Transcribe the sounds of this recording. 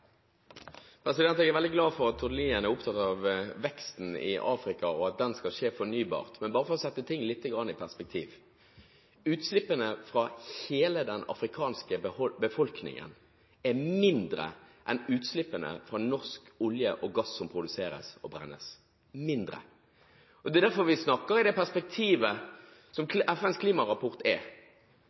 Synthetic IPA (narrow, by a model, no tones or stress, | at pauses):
pʰɾɛsɪd̪ɛnt̪ɛɡɛʁʋɛld̪ɪɡlɑːfɔʁɑt̪ʰːʊd̪liːənɛæʁʊp̚t̪ʰɑt̪ːɑʋʋɛkst̪n̩ɪ̰ʔɑːfɾɪkɑɔɑt̪̚d̪ɛnskɑlʃeːfɔʁnyːbɑ̰ːʁt̪mɛnbɑːɾəfɔʁɔsɛt̪ːət̪ʰɪŋːlɪt̪ːəɡʁɑnːɪpʰæʁspɛk̚t̪ʰiːʋ | ʉːt̪slɪpːənəfʁɑheːləd̪ɛnɑ̰fɾɪkʰɑːnskəbəfɔlknɪ̰ŋə̰n | ɛmɪnd̪ɾə̰ʔɛnʉːt̪slɪpːənə̰fʁɑnɔʁskʊljə̰ʔɔɡɑsːɔmpʰʁʊd̪ʉseːɾə̰sɔbɾɛ̰nːə̰s | mɪnd̪ʁə̰ | ʔɔd̪ɛd̪æɾfɔʋɪsnɑkːəɾɪd̪ɛpʰæʁspɛk̚t̪ʰiːʋə | sɔmʔɛfɛnskʰliːmɑʁɑpʰɔʁt̪ɛ